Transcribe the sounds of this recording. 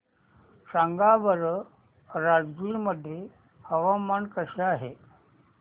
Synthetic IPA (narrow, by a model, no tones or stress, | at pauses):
saŋɡabəɾ | ɾad͡zkiːɾməd̪ʱe | həʋamaɳkəɕaaɦe